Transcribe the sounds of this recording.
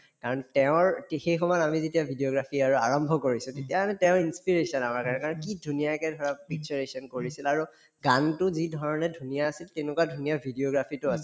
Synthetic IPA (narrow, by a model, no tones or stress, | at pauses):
kaɹɔntɛʊ̃ɹxejxɔmɔamizetiabʱidioɡɹapʰiaɹua̰ɹɔmbʱɔkoɹisʊ̃tetiaanɛtɛʊ̃inspiɹesɔnamaɹkaɹnɛkaɹɔnkidʱunijakɛdʱɔɹapiksɔɹesɔnkoɹisilaɹu | ɡantʊzidʱɔɹɔnɛdʱunijaːsiltenʊkwadʱunijabʱidioɡɹapʰitʊas